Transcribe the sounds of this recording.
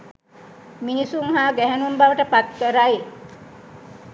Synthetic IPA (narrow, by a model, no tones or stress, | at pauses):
minisuŋɦaːɡɛɦɛnumbaʋəʈəpat̪̚kəɾaj